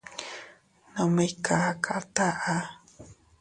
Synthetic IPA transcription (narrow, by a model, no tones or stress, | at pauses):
nomejkaakʰaʔt̪aʔa